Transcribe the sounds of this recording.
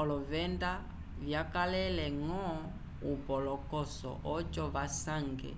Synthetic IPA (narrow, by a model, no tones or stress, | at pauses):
ɔlɔvɛnda | vjakalɛlɛŋɔ | upɔlɔkɔsɔ̰ʔɔt͡ʃɔβasaŋɡɛ̰